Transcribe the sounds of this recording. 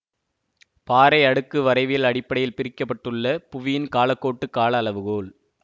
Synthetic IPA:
paːɾɐɪɐɽɯkːɯʋɐɾɐɪʋɪjɪlɐɽɪpːɐɽɐjɪlpɪɾɪkːɐp̬ːɐʈːɯɭːɐpʊʋɪjɪnkaːlɐkːoːʈːɯkːaːlɐːlɐʋɯɣoːɭ

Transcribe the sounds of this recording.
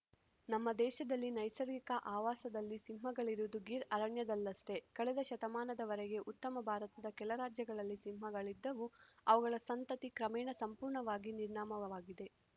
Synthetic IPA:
nɐmːɐd̪ɛːʃɐd̪ɐlːinɐjsɐɾikɐʔaːʋaːsɐd̪ɐlːisimɦɐɡɐɭiɾud̪uɡiɾɐɾɐɳjɐd̪ɐlːɐsʈe̞kɐɭɛd̪ɐʃɐt̪ɐmaːnɐd̪ɐʋɐɾɛɡe̞ʔut̪ːɐmɐbʱaːɾɐt̪ɐd̪ɐkɛlɐɾaːd͡ʒjɐɡɐɭɐlːisimmɐɡɐɭid̪ːɐʋuɐʋɐɡɐɭɐsɐnt̪ɐt̪ikɾɐmɛːɳɐsɐmpuːɾɳɐʋaːɡiniɾɳaːmɐɐʋaːɡid̪e̞

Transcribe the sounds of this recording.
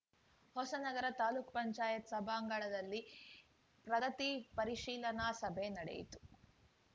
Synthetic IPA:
hɔsɐnɐɡɐɾɐt̪aːluːkpɐɲt͡ʃaːjɐt̪sɐbʱaːŋɡɐɭɐd̪ɐlːi | pɾɐɡɐt̪ipɐɾiʃiːlɐnaːsɐbʱenɐɽḛjḭt̪u̥

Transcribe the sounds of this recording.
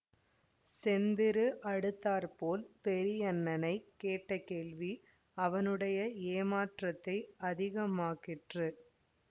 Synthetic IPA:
sɛnd̪ɪɾɯʔɐɽɯt̪ːaːɾpoːlpɛɾɪjɐnːɐnɐɪkːeːʈːɐkeːɭʋi | ɐʋɐnɯɽɐjɐeːmaːʈrɐt̪ːɐɪɐðɪɣɐmaːɣɪʈrɯ

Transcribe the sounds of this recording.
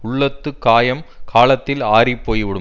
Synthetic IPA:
ʊɭːɐt̪ːɯkːaːjɐmkʰaːɭɐt̪ːɪlaːɾipːoːjʋɪɽɯ

